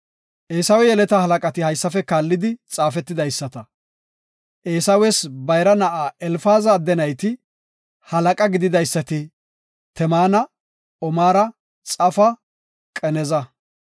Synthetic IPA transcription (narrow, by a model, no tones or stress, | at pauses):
ʔeːsɐwɛjɛlɛt̪ɐhɐlɐkʼɐt̪ɪhɐjsːɐfɛkaːlːɪd̪ɪt͡sʼaːfɛt̪ːɪd̪ɐjsːɐt̪ɐ | ʔe̞ːsɐwɛsbɐjɾɐnɐʔaːɛlfaːzaːd̪ɛnɐjt̪ɪ | hɐlɐkʼɐɡɪd̪ɪd̪ɐjsːɐt̪ɪ | t̪ɛmaːnɐ | ɔmaːɾɐ | t͡sʼɐfɐ | kʼɛnɛzɐ